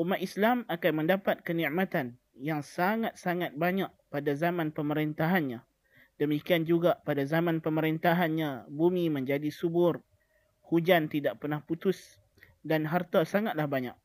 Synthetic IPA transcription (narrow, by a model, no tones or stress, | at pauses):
ʔumaʔislamakanmə̃ndapat̪̚kənĩʔmat̪an | jaŋsaŋat̪̚saŋat̪̚baɲaʔ̚padazamãnpəməɾent̪aɦanɲã | dəmikiand͡ʒuɡapadazamãnpəməɾint̪aɦanɲãbumimə̃ɲd͡ʒadisubʊr | hud͡ʒant̪idaʔpərnahput̪ʊs | danɦart̪asaŋat̪̚lahbaɲaʔ̚